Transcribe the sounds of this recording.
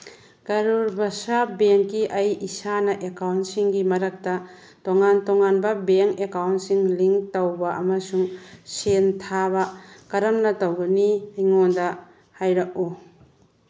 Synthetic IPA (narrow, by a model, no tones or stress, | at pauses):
kɐɾuɾbɐsabeŋkːiʔɐjisanɐʔekawntsiŋɡimɐɾɐk̚tɐ | toŋantoŋanbɐbeŋkekawntsiŋliŋtɐwbɐʔɐmɐsuŋsentʰabɐkɐɾɐmnɐtɐwɡɐniɐjŋondɐ | hajɾɐk̚u